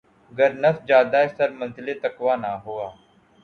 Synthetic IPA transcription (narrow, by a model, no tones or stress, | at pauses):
ɡəɾnəfd͡ʒaːd̪aːesəɾmə̃nzlet̪ɐkʋaːnaːɦoːaː